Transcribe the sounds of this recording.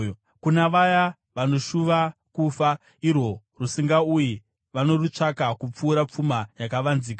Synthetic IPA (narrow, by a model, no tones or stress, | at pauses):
kunaʋaja | ʋano̞ʃuʋakufa | iro̞ | rusiŋɡauji | ʋano̞rut͡ʂakakup͡fuːɾap͡fumajakaʋanziːka